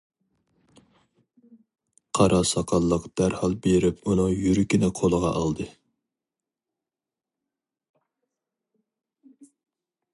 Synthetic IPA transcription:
qʰɑɾɑsɑqʰɑlˠːəqd̪̥æɾhɑlˠbeɾɪpunɨŋjyɾykʲinɪqʰolˠəʁɑʔɑlˠd̪ɨ

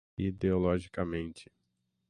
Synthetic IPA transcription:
id̪eolɔʒikɐmẽnt͡ʃɪ̥

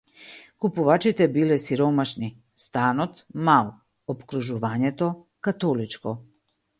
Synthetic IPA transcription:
kupuvat͡ʃit̪ɛbilɛsiɾɔmaʃni | st̪anɔt̪malˠ | ɔpkɾuʒuvaɲɛt̪ɔ | kat̪ɔlit͡ʃkɔ

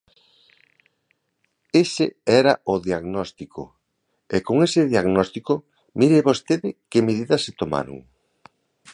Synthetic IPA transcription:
esɪɛɾɐoʊðiaɣnɔst̪ikʰo̰ | ekoŋesɪðjaɣnɔst̪iko | miɾeβost̪eðɪkemeðiðɐset̪oma̰ɾo̰ŋ

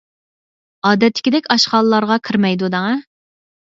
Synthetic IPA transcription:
ɑːd̪ɛt̪ʰːɪ̥kʲɪd̪ɛkʲɑʃqɑːlˠɨlˠɑɾʁɑkʰɨɾmɛjd̪ud̪ɑŋɑ

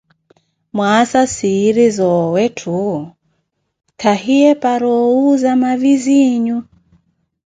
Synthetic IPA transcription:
mwasasiɾizɔwɛtʰu | kʰahiɛpaɾɔuzamaviziɲu

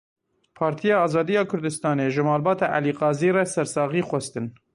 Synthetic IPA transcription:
pʰɑːɾt̪ʰijɑːɑːzɑːd̪ijɑːkʰʊɾd̪ɨst̪ɑːneːʒɨmɑːlbɑːt̪ɑʔæ̰liːqɑːziːrɛsɛɾsɑːɣiːxwɛst̪ɨn

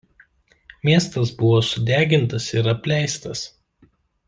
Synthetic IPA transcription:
mʲiɛst̪ɐsbʊʋoːsʊd̪ʲæːɡʲɪnt̪ɐsɪɾɐpʲlʲæɪst̪ɐs

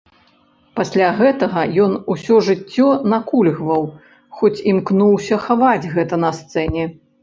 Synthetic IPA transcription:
pasʲlʲaɣɛt̪ɐɣɐjɔnusʲɔʐɨt͡sʲːɔnakulʲɣvɐw | xɔt͡sʲimknuwsʲɐxavad͡zʲɣɛt̪ɐnɐst̪sɛnʲɛ

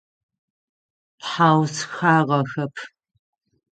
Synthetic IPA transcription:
pħaːwsxaːʁɐxɐpʰ

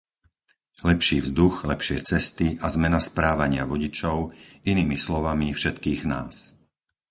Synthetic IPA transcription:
lɛpʃiːvzd̪uxlɛpʃɪɛt͡sɛst̪iʔazmɛnaspɾaːʋaɲɪaʋɔɟit͡ʃɔʊiniːmislɔʋamifʃɛt̪kiːɣna̰ːs

